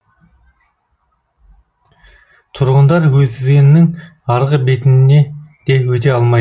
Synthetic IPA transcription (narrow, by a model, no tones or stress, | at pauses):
t̪ʰʊɾʁənd̪ɑɾwɵzd̪ɪzɡʲe̞nːɪŋ | ɑɾʁəbe̞t̪ɪnne̞d̪̥e̞wɵt̪̬e̞ɑlˠmɑj